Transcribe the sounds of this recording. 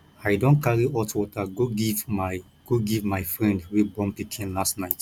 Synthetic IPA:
aɪdõnkaɹiʔɔtwɔtaɡoɡivma | ɡ̥oɡivmaɪfɹɛ̃ndwibɔ̃mpikʰĩnlastnaɪt

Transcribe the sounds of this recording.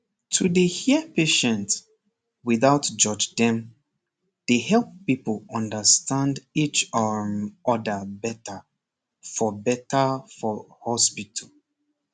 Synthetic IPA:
tʰudəhiəpeʃɛ̃nt | wiðaʊtd͡ʒɔd͡ʒdɛ̃m | d̥ehɛlˠp̚ːipəlˠɔ̃ndəstʰãndit͡ʃɔɔdəbɛtə | fɔbɛtəfɔhɔspitʰəl

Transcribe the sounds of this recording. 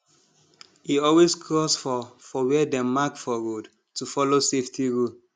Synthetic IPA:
iɔlweskʰɹɔsfɔfɔwɛdɛ̃makfɔɹod | tufɔloseftʰiɹul

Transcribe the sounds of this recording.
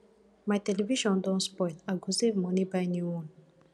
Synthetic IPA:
majteleviʃɔ̃ndɔ̃nspɔjlaɡusevmɔnibajniun

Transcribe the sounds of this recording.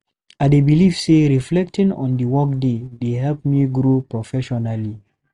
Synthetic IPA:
aɪdebiliv̥seɹiflɛk̚tĩŋɔ̰̃ndəwɔkdedehɛlp̚miɡɾopɹɔfɛʃɔnali

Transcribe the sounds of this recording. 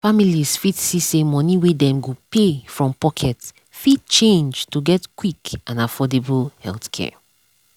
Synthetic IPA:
familiz̥fidsisemɔ̃niwedɛ̃mɡopefɹɔ̃mpɔkʰɛt | fid̚t͡ʃẽnd͡ʒtuɡɛtkwikãnafɔdebulhɛ̰lθkʰɛ̰

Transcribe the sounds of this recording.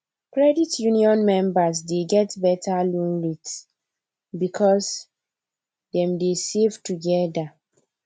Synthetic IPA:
kɹɛditjuniɔ̃nmɛ̃mbas̬deɡɛtbɛtʰalũnɹits | bikʰɔs | dɛ̃mdesevtuɡɛda

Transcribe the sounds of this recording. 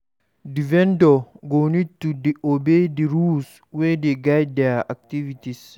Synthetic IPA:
divɛndɔɡonit̪ːudiobed̪iɾus | wejd̪eɡajdaak̚t̪ivit̪is

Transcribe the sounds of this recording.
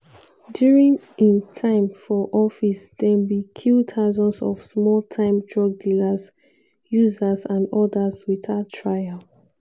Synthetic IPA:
djuɹĩŋ | ĩntʰãɪ̃mfɔʔɔfisd̥ɛ̃nbikʰiltʰaʊzɔ̃nsɔfsmɔlˠtʰãɪ̃mdɹɔk̚dilaz | juzazãndɔdazwitatʰɹajal

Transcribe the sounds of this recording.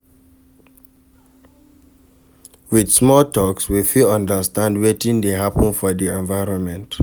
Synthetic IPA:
wid̥smɔltɔkswifilʌ̃ndəstãndwetĩndeɦapə̃nfɔdiɛ̃nvaɪɹɔ̃nmɛ̃nt

